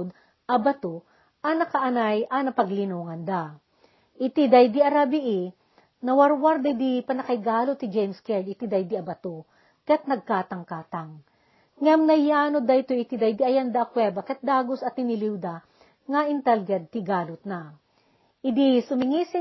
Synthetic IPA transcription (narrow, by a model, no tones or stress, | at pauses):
d̪̚ | ʔɐbɐt̪o | ʔɐnɐkɐʔɐnajʔɐnɐpɐɡlɪnuŋɐnd̪a | ʔɪt̪id̪ajd̪iʔɐɾabiʔi | nɐwɐɾwaɾd̪ɐjd̪ipɐnɐkɐjɡaːlot̪ːɪd͡ʒɛjmskɛd̪ɪt̪id̪ɐjd̪iɐbɐt̪o | kɛt̪̚nɐɡ̚kaːt̪ɐŋkaːt̪aŋ | ŋɐmnɐjːaːnod̪ɐjt̪oʔɪt̪id̪ɐjd̪iɐjand̪aʔːkwɛːbɐkɐt̪̚d̪aːɡosɐt̪ːɪnɪliwd̪a | ŋaʔɪnt̪alɡɐd̪̚t̪ɪɡaːlʊt̪̚na | ʔɪd̪isʊmɪŋisɪ